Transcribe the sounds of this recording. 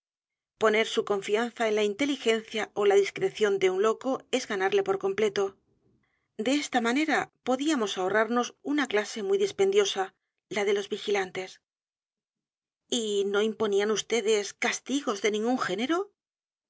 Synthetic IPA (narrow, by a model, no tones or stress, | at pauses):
po̞ne̞ɾsuko̞ɱfian̟θaenlaint̪e̞lixe̞nθjao̞laðiskɾe̞θjo̞nd̪e̞unlo̞ko̞e̞zɣanaɾle̞po̞ɾko̞mple̞t̪o̞ | d̪e̞est̪amane̞ɾapo̞ðiamo̞sao̞raɾno̞sunaklase̞mujðispe̞nd̪jo̞sa | laðe̞lo̞zβixilant̪e̞s | ino̞impo̞nianust̪e̞ðe̞skast̪iɣo̞zðe̞nĩŋɡuŋxe̞ne̞ɾo̞